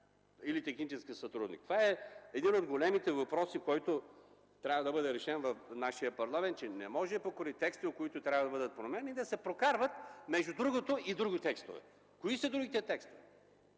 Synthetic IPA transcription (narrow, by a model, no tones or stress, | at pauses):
ilit̪ɛxnit͡ʃɛskisɐt̪ɾud̪nḭk̚t̪o̥vaɛɛd̪inod̪ɡolɛmit̪ɛvɐpɾɔsikɔjt̪o | t̪ɾʲabvɐd̪ɐbɤd̪ɛɾɛʃɛnvɐfnaʃijəpɐɾlˠamɛnt̪̚t͡ʃɛnɛmɔʒɛpokoɾit̪ɛkst̪iot̪̚koit̪ʊt̪ɾʲabvɐd̪ɐbɤd̪ət̪̚pɾomɛnid̪ɐsɛpɾokaɾvət̪mɛʒd̪ud̪ɾuɡot̪oid̪ɾuɡit̪ɛkst̪o̰vɛ̰ | koisɐd̪ɾuɡit̪ɛt̪ɛkst̪ovɛ